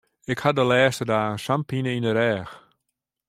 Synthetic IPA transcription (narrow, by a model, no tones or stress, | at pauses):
ɪkhadəlɛːsədaːʃampʰiːnəinəɾɛːx